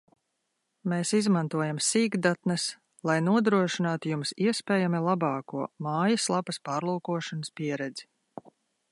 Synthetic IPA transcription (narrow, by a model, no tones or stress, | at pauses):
meːsizmant̪uɔjamsiːɡd̪at̪nɐs | lˠajnuɔd̪ɾuɔʃinaːt̪ujumsiɛspʲɛːjamilˠabɑːkuɔmaːjɐslˠabɐspɑːɾlˠuːkuɔʃɔnəspʲiɛɾɛd̪z̥i̥